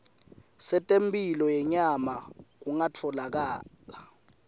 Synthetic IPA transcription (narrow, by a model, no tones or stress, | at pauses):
sɛtʼempʼilɔjɛɲamak̬uŋat͡fʰɔlak̬aːla